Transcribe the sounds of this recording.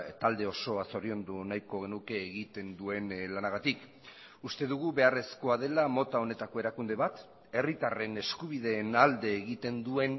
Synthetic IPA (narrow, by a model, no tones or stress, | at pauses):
t̪ald̪e̞o̞so̞aso̞ɾio̞nd̪unajko̞ɣe̞nuke̞ːɣit̪e̞nd̪ue̞nlanaɣ̞at̪ik | ust̪e̞ðuɣ̞uβe̞are̞sko̞að̞e̞lamo̞t̪ao̞ne̞t̪ako̞e̞ɾakund̪e̞βat̪ | e̞rit̪are̞ne̞skuβ̞iðe̞ːnald̪e̞ːɣit̪e̞nd̪ue̞n